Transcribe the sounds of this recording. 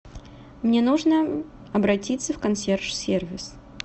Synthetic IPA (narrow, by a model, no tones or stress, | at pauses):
mnʲenuʐnə | ɐbɾɐtʲit̪sːəfkɐnsʲerʂsʲervʲɪs